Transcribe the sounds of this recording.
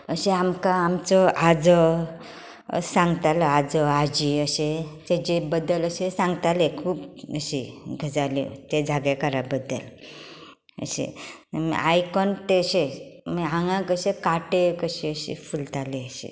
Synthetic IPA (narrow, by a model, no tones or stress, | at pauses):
əɕeamkãamt͡sɔad͡zɔ | sãŋɡt̪alɔad͡zɔad͡ʑiəɕet̪ed͡ʑebəd̪ːələɕesãŋɡt̪alekʰuːpəɕiɡʱəd͡zalḛt̪ed͡zʱaɡekaɾabəd̪ːə̰l | ə̰ɕḛ | m̰ajkɔnt̪eəɕemɦãŋɡãkəɕekaʈekəɕiəɕḭfult̪aleəɕḛ